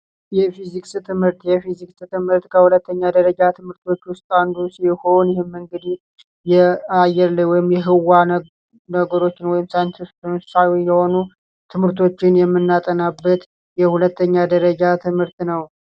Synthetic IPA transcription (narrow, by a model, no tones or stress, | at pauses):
jɛfizikʼsɨt̪ʰɨmhɨɾt̪jɛfiziksɨt̪ʰɨmhɨɾt̪kʰəhulət̪ʰːəɲːad̪əɾəd͡ʒat̪ʰɨmɨɾt̪ʰo̞t͡ʃːwʊst̪ʼand̪usiho̞njɪɦhemːɨŋɡɨd̪i | jɛajɛɾləwɔjɪmjɛɦɨwa | nəɡəɾo̞t͡ʃːɪnwɔjɪmsajnt̪ist̪msawijːɛho̞nu | t̪ʰɨmhɨɾt̪ʰo̞t͡ʃːɪnjɛmːɨnːat̪ʼənabːət̪ | jɛhulət̪ʰːəɲːad̪əɾəd͡ʒat̪ʰɨmhɨɾt̪nəw